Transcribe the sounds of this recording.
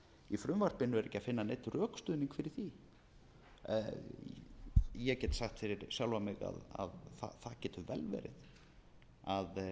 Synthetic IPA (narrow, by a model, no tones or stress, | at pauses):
ifɾʏmvar̥pɪnːʏɛɾɛhcːafɪnːanejt̪rœːkst̪ʏːðniŋkfɪɾɪɾ̥θi | jɛcɛt̪saxt̪fɪɾɪɾsjawlvamɪɣa̰ða̰ðθa̰θacɛːt̪ʰʏvɛlvɛ̰ːɾɪ̰ð | að